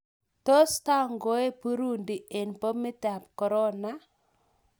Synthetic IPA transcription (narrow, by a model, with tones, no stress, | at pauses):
to˦sta˦ŋɡo˦e˦pu˦ɾu˦ndi˨ʔe˨npo˦mɪ˦ta˨p̚kɔ˨ɾɔ˦na˦